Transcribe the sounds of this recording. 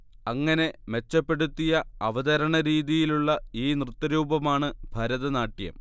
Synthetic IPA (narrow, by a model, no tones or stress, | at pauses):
ɐŋːɐne̞me̞t͡ɕːɐpːe̞ɽut̪ːijɐɐʋɐd̪ɐɾɐɳɐɾiːðijiluɭːɐiːnrɨt̪ːɐɾuːbʱɐmaːɳɨb̥ʱɐɾɐðɐnaːʈːjɐ̰m